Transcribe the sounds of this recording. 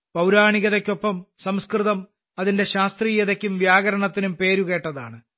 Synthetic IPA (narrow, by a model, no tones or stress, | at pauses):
pɐwɾaːɳiɣɐðekʲːo̞pːɐmsɐmskrɨðɐm | ɐðinde̞ɕaːst̪riːjɐðekʲːumʋjaːɣɐɾɐɳɐt̪ːinumpe̞ːɾuɣe̞ːʈːɐðaːɳɨ